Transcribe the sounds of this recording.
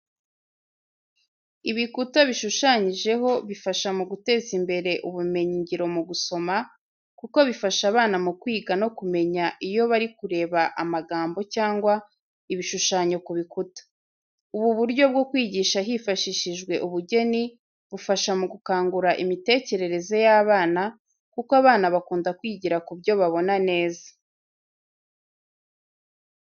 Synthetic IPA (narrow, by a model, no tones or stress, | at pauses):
iβikutaβiʃuʃaɲiʒe̞ɦo̞βifaʃamuɡute̞ːzimbe̞ɾe̞ʔuβume̞ɲiɲɟiɾo̞muɡuso̞ma | kuko̞βifaʃaβaːnamukwiːɡano̞kume̞ɲaʔijo̞βaɾikuɾe̞ːβaʔamaɡaːmbo̞caːŋɡwa | iβiʃuʃaːɲo̞kuβikutḁ | uβuβuɾɟo̞bɡo̞kwiːɟiːʃaɦifaʃiʃiʒɡwe̞ʔuβuɟe̞ni | βufaʃamuɡukaːŋɡuɾaʔimite̞ːce̞ɾe̞ɾe̞ze̞jaːβaːna | kukwaβaːnaβakuːndakwiːɟiɾakubɟo̞βaβo̞nane̞ːzḁ